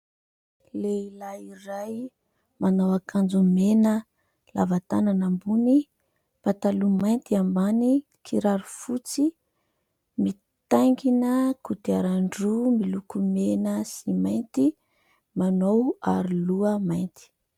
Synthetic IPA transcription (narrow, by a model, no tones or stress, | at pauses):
leilaiɾaj | manowakʰand͡zumenə | lavat̪ananambuni | pat̪alumajnt̪iambani | kʰiɾaɾufut͡si | mi | t̪ajŋkinəkut̪iaɾaɳɖ͡ʐumilukumenəsimajnt̪i | manowa̰ɾiluəmajnt̪i̥